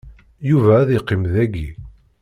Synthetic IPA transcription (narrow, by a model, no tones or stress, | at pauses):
juvæːðiqːimðæɡi